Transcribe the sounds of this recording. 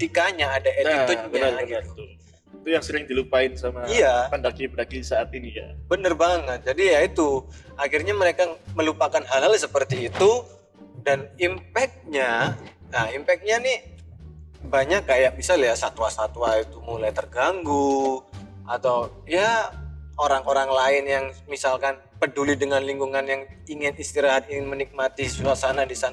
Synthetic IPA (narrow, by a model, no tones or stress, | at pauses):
ət̪ikaɲaːdaetʊaɡit̪ut̪u | it̪ujaŋsəɾɪŋdilupaɪnsamaijapəndakipədakisaːt̪inija̰bənərbaŋət̪̚d͡ʒadijait̪uakirɲaməɾekaməlupakanɦalɦalsəpərt̪iːt̪u | danimpɛk̚ɲa | aimpɛk̚t̪̚ɲanɪ | baɲakːajak̚bisaljasat̪uasat̪uait̪umulajt̪ərɡaŋɡu | at̪aw | ja | oɾaŋoɾaŋlaɪnjaŋmisalkan | pədulidəŋanliŋɡuŋanjaŋiŋɪnist̪iɾaɦat̪̚iŋɪnmənik̚mat̪isuuasanadisan